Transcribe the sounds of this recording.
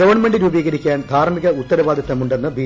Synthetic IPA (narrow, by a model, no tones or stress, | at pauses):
ɐʋɐrɳɐme̞ɳɖiɾuːbiːɣɐɾikʲːaːnd̪ʱaːɾmiɣɐut̪ːɐɾɐʋaːd̪jɐt̪ːɐmuɳɖenːɨbiː